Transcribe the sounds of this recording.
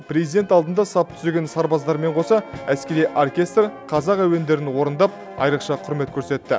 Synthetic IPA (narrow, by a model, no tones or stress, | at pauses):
pʰrʲezijd̪e̞nt̪ɑlˠd̪ənd̪ɑsɑp̚t̪ʰʏ̥zeɡʲe̞nsɑɾbɑzd̪ɑɾme̞ɴqʰo̞sɑæskʲe̞ɾijʔorkʲe̞st̪rqʰɑzɑqæwe̞nd̪e̞ɾɪnwo̞ɾənd̪ɑp̚ | ɑ̰jɾəqʃɑqʰʊɾme̞t̪̚kʲʰɵɾse̞t̪ːɪ̰